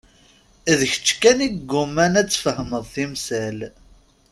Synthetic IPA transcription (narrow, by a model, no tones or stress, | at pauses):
ðəçə̥t͡ʃːkæniɡːʊmænæt͡sːfəhməðˤθimsæl